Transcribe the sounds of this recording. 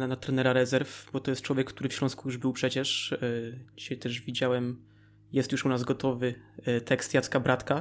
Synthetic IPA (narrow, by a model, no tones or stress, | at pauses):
nanat̪ɾɛnɛɾaɾɛzɛɾfbɔt̪ɔjɛst̪̚t͡ʂwɔvʲjɛkːt̪uɾɘfɕlɔ̃skujuʐbɘwpʂɛt͡ɕɛʂ | d͡ʑiɕajt̪ɛʐvʲid͡ʑawɛm | jɛst̪juʂunazɡɔt̪ɔvɘt̪ʰɛkst̪jat̪kabɾat̪ka